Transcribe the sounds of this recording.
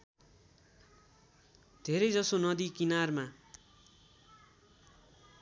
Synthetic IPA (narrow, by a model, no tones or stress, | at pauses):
d̪̥ʱeɾʌjd͡zʌsonʌd̪ikinarma